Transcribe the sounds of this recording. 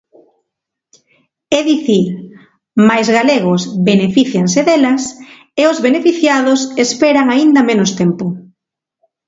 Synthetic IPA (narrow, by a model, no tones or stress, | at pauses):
ɛðiθiɾ | majzɣaleɣosβenefiθjaŋseðelɐs | eozβenefiθjaðosespɛɾaŋaind̪ɐmenʊst̪ɛmpʊ